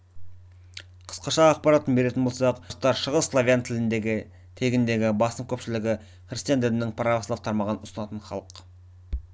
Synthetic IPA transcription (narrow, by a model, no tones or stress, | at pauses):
qʰə̥sqɑʃɑːq̚pɑɾat̪ːənbe̞ɾe̞t̪ɪnbo̞lˠsɑq̪t̪ːɑɾʃəʁəsslˠavʲjant̪ʰɪlɪnd̪e̞ɡʲɪ | t̪ʰe̞ɡʲɪnd̪e̞ɡʲɪbɑsəmkʲʰɵpʃɪlɪɡʲɪ | χrist̪ijand̪ɪd̪ɪnɪŋpʰɾaslˠɑft̪ʰɑɾmɑʁənʊsənɑt̪ənχɑ̰lˠəq